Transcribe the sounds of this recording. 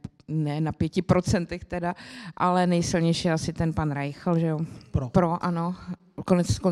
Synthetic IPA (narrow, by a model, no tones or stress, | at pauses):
nɛnapjɛcɪpɾot͡sɛnt̪ɛxt̪ɛdaʔalɛnɛjsɪlɲɛjʃɪjɛasɪt̪ɛnpanɾajxlʒɛjopɾoʔano | konɛt͡sko